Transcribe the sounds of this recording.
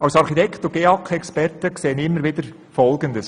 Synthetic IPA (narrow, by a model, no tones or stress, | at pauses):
ɑʊsɑɾχit̪ɛktʊɡ̥eɑkɛkspɛɾtəkseːənɪmːəɾʋɪd̥̪əɾ | fɔlɡənd̪əs